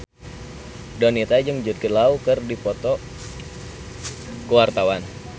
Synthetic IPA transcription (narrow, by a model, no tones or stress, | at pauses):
dɔnit̪ad͡ʒɨŋd͡ʒud̪̚kəlaukɨrdipɔt̪ɔ | kəwart̪awan